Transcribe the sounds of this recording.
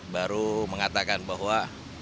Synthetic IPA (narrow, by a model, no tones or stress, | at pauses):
baɾuməŋat̪akanbaɦwa